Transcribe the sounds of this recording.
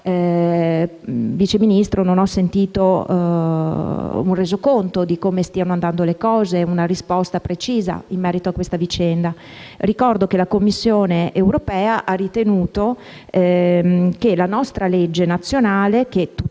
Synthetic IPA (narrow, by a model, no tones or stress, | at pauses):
vit͡ʃeminist̪ɾononɔsːent̪iːt̪o | ureːzokont̪od̪ikoːmest̪iːanoand̪and̪olekɔːzeunaɾispɔst̪apɾet͡ʃiːza̰imːɛːɾit̪oakːwest̪avit͡ʃɛnd̪a | rikɔrd̪ok̟elakomːisːjoːneʔewɾopɛːaʔarːit̪enuːt̪o | ɛ | kelanɔst̪ɾaled͡ʒːenat̪sːjonaːlek̟et̪u